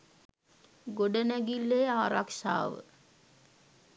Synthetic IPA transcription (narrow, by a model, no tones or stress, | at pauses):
ɡoɖənæɡilːeaːɾakʃa̰ːʋə̰